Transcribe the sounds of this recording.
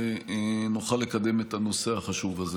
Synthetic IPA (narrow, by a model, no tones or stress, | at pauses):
nuχalːekad̪e̞met̪ano̞se̞haχaʃuvaze